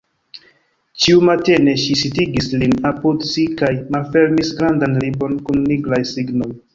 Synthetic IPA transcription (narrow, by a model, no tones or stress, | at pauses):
t͡ʃiumate̞ne̞ʃisitiɡislinapudsikajmalfe̞ɾmisɡɾandanlibo̞nkunːiɡlajsiɡno̞j